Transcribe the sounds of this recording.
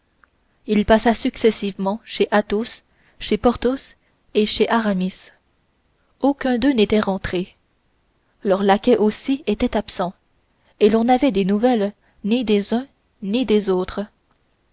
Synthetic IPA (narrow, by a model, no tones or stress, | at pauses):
ilpasasyksɛsivmɑ̃ʃeʔat̪os | ʃepɔʁt̪os | eʃeʔaʁamis | okʲɛ̃d̪ønet̪ɛʁɑ̃t̪χe | lœʁlakʲɛʔosiet̪ɛt̪apsɑ̃ | elɔ̃navɛd̪enuvɛl | nid̪ezœ̃ | nid̪ezoːt̪χə